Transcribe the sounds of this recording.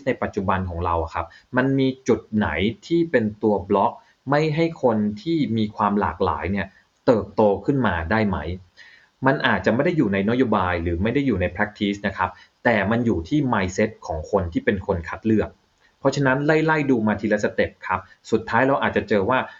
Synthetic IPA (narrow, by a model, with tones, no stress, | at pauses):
s̚na˧jpa˨˩t̪̚t͡ɕu˨˩ba˧nkʰɔː˩˦ŋɾa˧wʔa˨˩kʰa˦˥p̚ma˧nmiː˧t͡ɕu˨˩t̪̚na̰˩˦jt̪ʰiː˥˩pe˧nt̪u˧ɐblɔ˦˥k̚ | ma˥˩jɦa˥˩jkʰo˧nt̪ʰiː˥˩miː˧kʰwaː˧mla̰ː˨˩k̚la̰ː˩˦jni˥˩ɐ | t̪ɤː˨˩p̚t̪oː˧kʰɯ˥˩nmaː˧daː˥˩jma˦˥j | ma˧nʔaː˨˩t̪̚t͡ɕa˨˩ʔma˥˩jda˥˩jːuː˨˩na˧jna˦˥joː˧baː˧jɾɯː˩˦ma˥˩jda˥˩jːuː˨˩na˧jpʰɾaː˦˥k̚t̪ʰiː˦˥s̚na˦˥kʰa˦˥p̚ | t̪ɛː˨˩ma˧njuː˨˩t̪ʰiː˥˩maː˧jse˦˥t̪̚kʰɔː˩˦ŋkʰo˧nt̪ʰiː˥˩pe˧nkʰo˧nkʰa˦˥t̪̚lɯ˥˩ək̚ | pʰːɔ˦˥t͡ɕʰa˧na˦˥nla˥˩jla˥˩jduː˧maː˧t̪ʰiː˧la˦˥sa˧t̪e˨˩p̚kʰa˦˥p̚ | su˨˩t̪ʰːaː˦˥jɾa˧wʔaː˨˩t̪̚t͡ɕa˨˩t͡ɕɤː˧waː˥˩